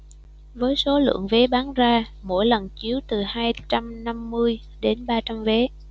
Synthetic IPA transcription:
vəː˨˦jso˨˦lɨ̰˧˨əŋve˨˦ɓaː˨˦nzaː˧mo̰˧˩jlə˨˩nt͡ɕi˨˦əwt̪ɨ˨˩haː˧jt͡ɕa˧mna˧mːɨ˧əj | ɗe˨˦nɓaː˧t͡ɕa˧mve˨˦

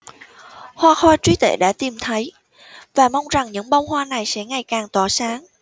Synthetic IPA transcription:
hwaː˧xɔː˧t͡ɕwi˨˦t̪ḛ˧˩ɗa̰ː˧˥t̪i˨˩mt̪ʰə˨˦j | vaː˨˩ma˧wŋ͡mza˨˩ŋɲɨ̰˧˥ŋɓa˧wŋ͡mhwaː˧na˨˩jsɛ̰˧˥ŋa˨˩jkaː˨˩ŋt̪ɔ˧˩saː˨˦ŋ

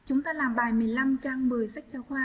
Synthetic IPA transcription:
t͡ɕʊ˨˦ŋ͡mt̪aː˧laː˨˩mɓaː˨˧˩jmɨ˨˩əjla˧mt͡ɕa˧ŋɓəː˨˩jsa˦˥k̟̚t͡ɕɔ˧xwaː˧

